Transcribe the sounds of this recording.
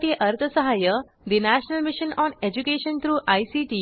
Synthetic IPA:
ʈeʔəɾt̪ʰəsəɦajə | d̪inæɕnəlmiɕənɔned͡ʑukeɕənt̪ʰɾuːʔajsiʈiː

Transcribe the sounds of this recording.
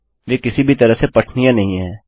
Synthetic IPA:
jeːkɪsibʱit̪ɐɾəɦsepɐʈʰnijãnɐɦĩɦɛː

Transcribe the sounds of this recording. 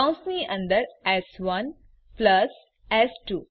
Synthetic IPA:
ʊ̃nsmiːʔʌ̃nd̪əɾɛzʋʌ̃n | plʌs | ɛsʈuː

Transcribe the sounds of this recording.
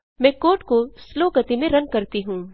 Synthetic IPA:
mɛ̃ːkoːʈkosloːɡət̪imẽɾɐ̃nkɐɾt̪iɦũː

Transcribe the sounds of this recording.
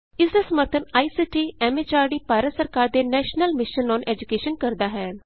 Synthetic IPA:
ɪsd̪aːsəməɾt̪ʰənaːiːsiːʈiːɛːmeːt͡ʃaːɾɖiːpaːɾət̪səɾkaːɾd̪eːnɛːʃnəlmɪʃənːɔːnʔɛːd͡ʒʊkeːʃənkəɾd̪aːɦɛː

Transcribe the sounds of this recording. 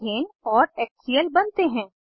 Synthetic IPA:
eːnɔːɾɛːk̚sijəlbɐnt̪eɦɛ̃ː

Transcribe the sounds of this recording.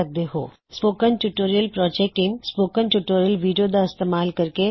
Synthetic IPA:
ɐk̚d̪eɦo̰ː | spoːkənʈuʈoːɾijəlpɾɔːd͡ʒeːk̚ʈiːmspoːkənʈuːʈoːɾijəlʋiːɖijod̪aɪst̪eːmaːlkɐɾke

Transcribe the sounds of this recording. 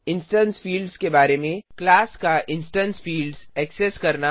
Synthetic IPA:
ɪ̃nsʈə̃nsfiːlɖzkebaːɾemẽklaːskaʔɪ̃nsʈə̃nsfiːlɖzɛːkseskɐɾna

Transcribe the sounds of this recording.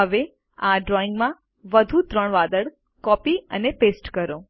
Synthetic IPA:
ɦəʋe | ãɖɾɔiŋɡmã | ʋəd̪ʱut̪ɾəɳʋad̪əɽ | kɔpiə̰nepesʈkəɾo

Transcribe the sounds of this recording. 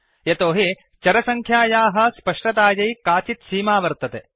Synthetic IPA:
jɐt̪oːɦi | t͡ʃɐɾɐsɐŋkʰjaːjaːɦɐ̆spɐʂʈɐt̪aːjɐjkaːt͡ʃit̪siːmaːʋɐɾt̪ɐt̪e

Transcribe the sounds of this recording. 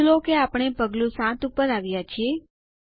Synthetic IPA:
lokeapɳ̃epəɡlũsãt̪upəɾaʋjat͡ʃʰie

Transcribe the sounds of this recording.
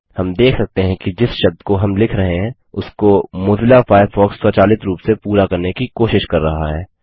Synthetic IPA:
hɐmd̪eːkʰsɐk̚t̪eɦɛ̃kid͡ʒɪsʃɐb̚d̪koɦɐmlɪkʰɾɐɦẽɦɛ̃ | ʊskomʊːzɪlafaːɪfɔːksːɔːt͡ʃaːlɪt̪ʰɾuːpsepuːɾakɐɾnekikoːʃɪʃkɐɾːɐɦa̰ɦɛː

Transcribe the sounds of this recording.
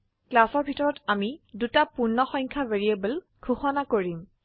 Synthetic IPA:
klasɔɹbʱitɔɹɔtamidutapunːɔxɔjɲkʰaveɹiebəl | kʰuxɔnakoɹim

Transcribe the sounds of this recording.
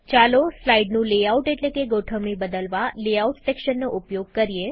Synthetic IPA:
t͡ʃaloslaiɖnũleauʈeʈlekeɡoʈʰəmnibəd̪əlʋaleauʈsekʃənːoʔupjoɡ̚kəɾije

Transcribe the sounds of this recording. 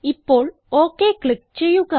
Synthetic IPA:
ɪpːoːl | oːkeːkɭɪk̚t͡ʃejuka

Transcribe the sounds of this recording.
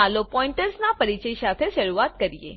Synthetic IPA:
alopɔiɳʈəɾsnapəɾit͡ɕəjsat̪ʰeʃəɾuat̪kəɾijḛ

